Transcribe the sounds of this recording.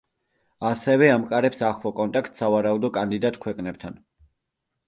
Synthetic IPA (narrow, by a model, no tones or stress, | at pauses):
asɛvɛamkʼaɾɛpsaχlˠɔkʼɔnt̪ʼakʰt̪ʰsavaɾaud̪ɔkʼand̪id̪at̪ʼkʰwɛkʼnɛp̚t̪ʰan